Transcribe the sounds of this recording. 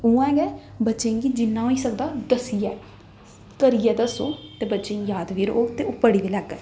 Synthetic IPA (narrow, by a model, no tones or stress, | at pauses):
uːãɡɛː | bətːʃẽːɡiːd͡ʒɪnːãːɦoːiːsəkd̪aːd̪əsiːjɛː | kəɾiːjɛːd̪əso̰ːt̪eːbətːʃẽjaːd̪ʋiːɾo̰oːt̪eːʊpəɽiːʋiːlɛɡɛ